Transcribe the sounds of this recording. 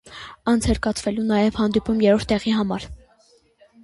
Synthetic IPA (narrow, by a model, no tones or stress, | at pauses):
ɑnt͡sʰhɛɾkɑt͡sʰvɛlunɑjɛvhɑnd̪ipumjɛɾɔɾt̪ːɛʁiɦɑmɑɾ